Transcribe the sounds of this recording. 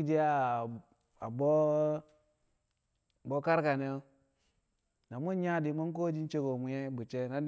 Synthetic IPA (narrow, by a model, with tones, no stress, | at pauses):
d͡ʒi˦a˦˨ | a˨bo˦ | bo˦ka˦ɾka˨ne˦jo˦ | na˨mu˦n˦ɲa˦di˨mo˦ŋ˦k̬o˦d͡ʒi˦n˦t͡ʃe˦ɡo˨mu˨je˦bu˨t͡ʃe˦na˨˦